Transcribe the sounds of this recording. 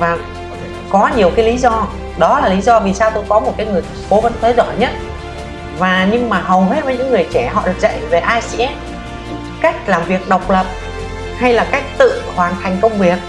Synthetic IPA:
vaː˨˩ | kɔ˨˦ɲi˨˩əwkaː˨˦jli˨˦zɔ˧ | ɗɔ˨˦laː˨˩li˨˦zɔ˧vi˨˩saː˧wt̪o˧jkɔ˨˦mo˨˩t̚kaː˨˦jŋɨ˨˩əjtko˨˦və˨˧˦nt̪ʰəː˨˦jzɔ̰˧˩˨jɲə˦˥t̚ | vaː˨˩ɲɨ˧ŋmaː˨˩ɦə˨˩whe˦˥t̚və˨˦ɲɨ̰˧˥ŋŋɨ˨˩əjt͡ɕɛ˧˩ɦɔ̰˧˨ɗɨ˨˩ək̚zə̰˧˨jve˨˩ʔaː˧si˧ʔɛ˦˥m̚ | ka˦˥jk̟̚laː˨˩mvi˨˩ək̚ɗə˨˩wk͡p̚lə˨˩p̚ | ha˧jlaː˨˩ka˦˥jk̚t̪ɨ̰˧˨hwaː˨˩nt̪ʰa˨˩jŋ̟kə˧wŋ͡mvi˨˩ək̚

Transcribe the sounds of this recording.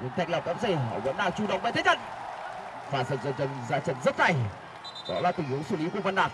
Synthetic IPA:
ɲṵ˨˦ŋt̪ʰa˨˩j̚lə˨˩w̚ka̰˦˥p̚se˧˩ə̰ː˨˩və˧˩nɗaː˨˩k̚t͡ɕu˧˩ɗə̰˧˨wŋ͡mɓe˧˨t̪ʰə˨˦t͡ɕə˧˩n | faː˨˩sə̰˨˩zə˧˩t̚t͡ɕə˧˩nzaː˧˩t͡ɕə˧˩n̚zə˦˥t̚za˨˩j | ɗɔ̰˨˦laː˨˩t̪ï˧˩ŋhu˨˦wsɨ˧˩li˨˦ku˧˩əvə˧nɗaː˨˩k̚

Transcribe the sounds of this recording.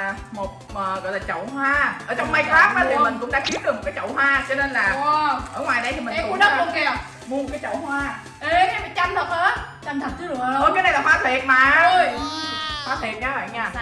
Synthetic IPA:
mo˨˩t̚ | əː˨˩ɣɔ̰˧˨jlaː˨˩t͡ɕə̰˧˨whwaː˧ʔəː˧˩˦t͡ɕɔ˧wŋ͡mma˧jkaː˦˥p̚maː˨˩t̪ʰi˨˩mï˨˩ŋ̟kʊ̰˧˥ŋ͡mɗa̰ː˧˥ki˨˦˥əkə˨˩m̚˨˩kaː˨˦t͡ɕə̰˧˨wɦwaː˧t͡ɕɔ˧ne˧nlaː˨˩˧ʔəː˧˩ŋwaː˨˩jɗə˧jt̪ʰi˨˩ï˨ɛ˧˨u˧˦ɗə˨˦˥o˧˨˩ke˧˨˩ | mu˧mo˨˩t̚kaː˨˦jt͡ɕə̰˧˨whwaː˧ | ʔe˧ka˨˦mə˨˩t͡ɕa˧mt̪ʰə˨˩p̚hə˧˦˥ | t͡ɕa˧nt̪ʰə˨˩t̚t͡ɕɨ˨˧˦ə˧kaː˨˦jɗa˧˨jlaː˨˩faː˨˦t̪ʰwi˨˩ət̚maː˨˩ə˧ | faː˨˦t̪ʰi˨˩t̚ɲaː˨˦ɓa̰ː˧˨nɲaː˧˩

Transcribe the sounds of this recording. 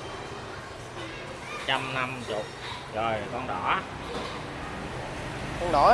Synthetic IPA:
t͡ɕa˧mna˧mt͡ɕʊ˨˩k͡p̚zɔ˨˩jkɔ˧nɗɔ˧˩˦ | kɔ˧nɗɔ˧˩˦

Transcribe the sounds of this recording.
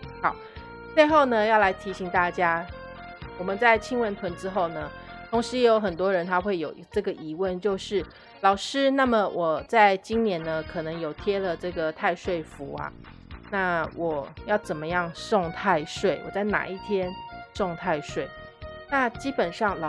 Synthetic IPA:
hɑ˨˩˦ʊ | t͡swe˥˧ɪxo˥˩ʊnə˩jɑ˥˩la˧˥ɪt̪ʰi˧˥ɕi˧˥ŋt̪a˥˩t͡ɕja˥ | wɔ˨˩mə˨˦nt͡sa˥˩ɪt͡ɕʰi˥ŋwə˧˥nt̪ʰwə˧˥nʈ͡ʂɻ̩˥xo˥˩ʊnə˩t̪ʰʊ˧˥ŋʂɻ̩˧˥jjo˧˥ʊxə˨˩nt̪wɔ˥ɻə˧˥nt̪ʰa˥xwe˥˩ɪjo˨˩ʊ˨ʈ͡ʂɤ˥˩ɡə˩ʔi˧˥wə˥˧nt͡ɕjo˥˧ʊʂɻ̩˥˩ | lɑ˨˩ʊʂɻ̩˥na˥˩mə˨˩wʔɔ˨˩t͡sa˥˩ɪt͡ɕi˥ŋnjɛ˧˥nə˧kʰɤ˨˩nɤ˧˥ŋjo˨˩ʊt̪ʰjɛ˥lə˨ʈ͡ʂɤ˥˩ɡə˩t̪ʰa˥˧ɪʂwe˥˩ɪfu˧˥ɐ̰˨ | na˥˩wʔɔ˨˩˦jɑ˥˩ʊt͡sə˨˩nmə˦jɑ˥˩ŋʂɔ˥˧ŋt̪ʰa˥˧ɪʂwe˥˩ɪwɔ̰˨˩t͡sa˥˩ɪna̰˨˩i˥˩t̪ʰjɛ˥nʂɔ˥˧ŋt̪ʰa˥˧ɪʂwe˥˩ɪna˥˨t͡ɕi˥pə˨˩nʂɑ˥˩ŋlɑ˨˩

